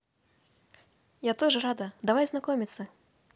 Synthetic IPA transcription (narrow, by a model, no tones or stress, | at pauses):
jat̪ɔʐɨɾad̪ɐd̪avajznakɔmʲit̪sːɐ